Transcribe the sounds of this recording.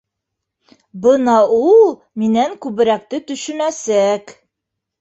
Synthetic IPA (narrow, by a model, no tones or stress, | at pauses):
bɤnɑulˠ | minæŋkʉβɘ̆ɾæk̚t̪ɘt̪ɵ̆ʃɵ̆næsæk